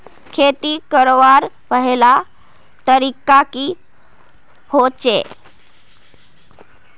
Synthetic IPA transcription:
kʰet̪iːkəɾʋaɾpəɦela | t̪əɾikaki | hot͡ɕe

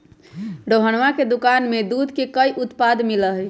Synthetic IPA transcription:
ɖoɦənʋaked̪ukanmed̪ud̪ʱkekəiʔut̪pad̪miləɦ

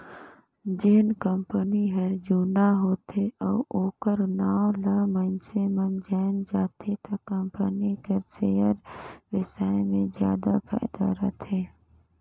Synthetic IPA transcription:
d͡ʒɪnkəmpəniɦəɾd͡ʒuːnaɦoːt̪eɔːoːkəɾnaːolaːmənsemənd͡ʒaːnd͡ʒaːt̪et̪akːə̃mpənikəɾseːjəɾʋɪsaːemẽzja̰ːd̪apʰa̰ːɪd̪a̰ɾət̪ʰeː

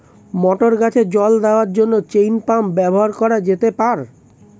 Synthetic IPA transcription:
mɔʈoɾɡat͡ɕʰed͡ʑɔld̪eoaɾd͡ʑonːot͡ɕejnpambɛboɦaɾkɔɾad͡ʑet̪epaɾ

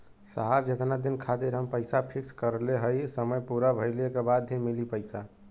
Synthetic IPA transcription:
səɦaɾd͡ʒet̪nad̪inkʰat̪iɾɦəmpəɪsapʰikskəɾleɦəjsəməjpuɾabʱəɪlekebad̪ɦimilipəɪsa

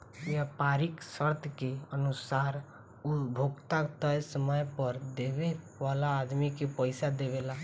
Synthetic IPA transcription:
jepaɾiksəɾt̪ʰkeənusaɾ | ubʱoɡt̪akt̪əjsəməjpəɾd̪ebe | ʋalaːd̪mikepəɪsad̪eβela

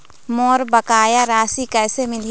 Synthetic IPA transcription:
mɔːɾbəkaːjaɾaːsikɛːsemɪl

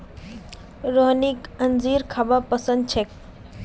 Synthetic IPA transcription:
ɾoɦnikənziɾkʰabapəsə̃nd̪̚t͡ʃʰek̚

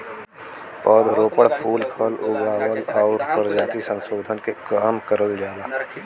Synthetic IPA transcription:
pɔːd̪ɾoːpəɽpʰuːlkʰəlʊɡaːwəlɔːʊɾkəɾd͡ʒaːt̪isə̃nsoːd̪ʱənkekaːmkəɾəld͡ʒaːd̪aː

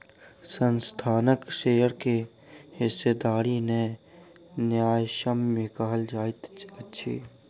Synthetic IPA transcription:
sənst̪ʰaːnəkʃeːjəɾke | ɦɪsːed̪aːɾine | njaːjʃəmːẽkəɦəld͡ʒaːt̪ətːʃʰḭː

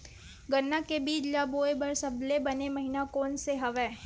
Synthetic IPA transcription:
ɡɐnːakebiːd͡ʒlaːboːebɐɾsɐblebɐnemɐɦinakɔːnseɦɐʋɛː

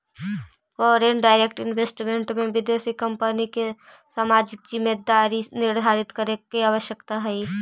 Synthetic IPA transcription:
fɔːɾenɖaːɪɾekʈɪnʋeːsʈmẽɳʈmẽʋɪd̪esikəmpənike | saːmaːd͡ʒɪk̚d͡ʒɪmːed̪aːɾinɪɾd̪ʱaːɾɪt̪kəɾekeaːʋəʃjəkt̪aɦɛi

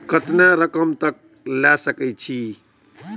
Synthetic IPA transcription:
kʰət̪naɾəkəmt̪ək̚ | lasəkɛt͡ʃʰi

